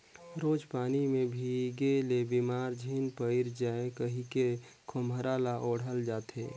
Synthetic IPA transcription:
ɾoːd͡ʒpaːnimẽbʱiɡelebimaːɾd͡ʒʱiːnpəɪɾd͡ʒaːekəɦike | kʰoməɾaːlaʔoːɽ̤ɦəld͡ʒaːt̪ʰḛː

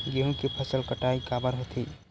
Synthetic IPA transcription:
ɡeɦũkipʰəsəlkəʈaikabəɾɦot̪ʰi

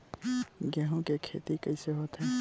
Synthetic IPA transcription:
ɡjaːɦõkekʰḛːt̪ikəiseɦoːt̪ɦɛː

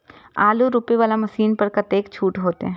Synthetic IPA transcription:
aːluɾuːpeʋaːlamɐsiːnpɐɾkɐt̪eːkt͡ʃʰuːʈɦoːt̪ḛɦɛ̃ː

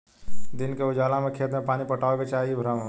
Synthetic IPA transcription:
d̪inkeʊd͡ʒaːlamekʰet̪mepaːnipəʈaːoket͡ʃaːɦiebʱɾəm

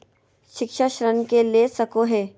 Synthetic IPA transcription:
ʃɪkʃaʃɾənkelesɐkoɦɛː

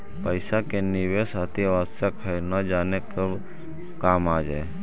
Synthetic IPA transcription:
pəɪsakeniʋesat̪iʋasjakʰəjnəd͡ʒaːnekəb | kaːmaːd͡ʒaj

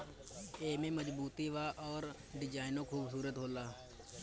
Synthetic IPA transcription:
eːmẽːməd͡ʒbuːt̪iːʋaːʔɔːɾ | ɖɪd͡ʒaːɪnõːkʰuːbs̬uːɾət̪ɦoːlaː

